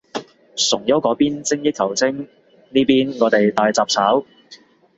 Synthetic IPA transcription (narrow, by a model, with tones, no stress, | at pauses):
sʊ˨˩ŋjɐ˨˥wkɔː˨˥piː˥nt͡sɪ˥ŋjɪ˥kʰɐ˨˩wt͡sʰɪ˥ŋ | niː˥piː˥nŋɔː˨˧t̪e˨jt̪aː˨˧jt͡saː˨p̚t͡sʰaː˨˥w